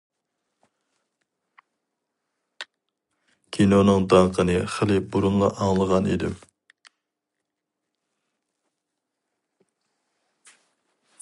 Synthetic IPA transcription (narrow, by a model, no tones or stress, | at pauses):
kʲʰinonɨŋd̪ɑɴqʰənɨχəlɪbuɾunlˠɑʔɑŋlˠəʁɑnḭd̪ɪ̰m